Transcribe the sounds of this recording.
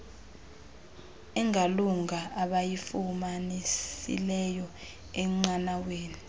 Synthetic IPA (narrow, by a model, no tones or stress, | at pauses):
ɛŋʱaluŋaaɓajifumanisḭlɛjɔ | ɛŋ͡ǀanaweːni